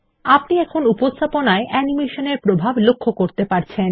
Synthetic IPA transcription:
apniɛkʰonupost̪ʰaponaeʔɛnimeʃoneɾpɾobʱablokʰːokoɾt̪epaɾt͡ɕʰen

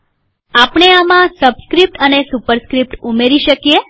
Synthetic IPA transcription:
apɳ̃eamãsəbskɾip̚ʈənesupəɾskɾip̚ʈumeɾiʃəkije

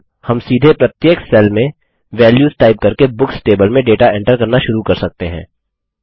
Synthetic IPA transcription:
hɐmsiːd̪ʱepɾɐt̪jeːksɛlmẽ | ʋɛːljuːzʈaːɪp̚kɐɾkebʊksʈeːbəlmẽɖeːʈaɛ̃ɳʈəɾkɐɾnaʃʊɾukɐɾsɐk̚t̪eɦɛ̰̃ː

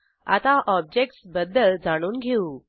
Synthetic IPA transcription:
a̰t̪aʔɔb̚d͡ʑek̚ʈsbəd̪ːəld͡zaɽ̃uːnɡʱeu

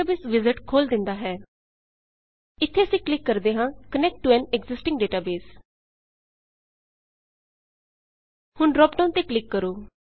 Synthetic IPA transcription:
aːbeːsʋɪzɪʈkʰoːld̪ɪnd̪aːɦɛː | ɪt̪ʰːeːəsĩːklɪkːəɾd̪eːɦãːkənɛk̚ʈːʊɛːnɛɡzɪsʈɪ̃ŋɡɖeːʈaːbeːs | hʊɳɾɔːp̚ɖəːnt̪eːklɪkːəɾoː

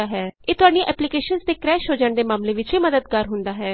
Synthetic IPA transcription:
aːɦɛːeːt̪ʊɦaːɖiːʔɛːplɪkeːʃənsd̪eːkɾɛːʃɦoːd͡ʒəɳd̪eːmaːmleːʋɪt͡ʃiːməd̪əd̪̚kaːɾɦʊnd̪aːɦɛː

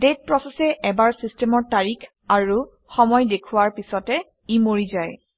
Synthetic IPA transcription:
det̚pɹɔsɛsɛʔɛbaɹsistɛmɔɹtaɹikʰ | aɹu | xɔmɔjdekʰʊwaɹpisɔtɛ | imoɹizaj

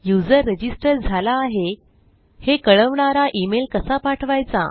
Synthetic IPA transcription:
jud͡zəɾːəd͡ʑisʈəɾd͡zʱalaːɦe | hekəɭəʋɳaɾaʔimelkəsapaʈʰʋajt͡sa̰

